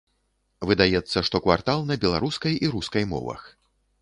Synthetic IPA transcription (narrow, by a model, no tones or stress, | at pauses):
vɨd̪ajɛt̪sːɐʂt̪ɔkva̰rt̪alˠnɐbʲɛlˠaɾuskɐjiɾuskɐjmɔ̰vɐ̰x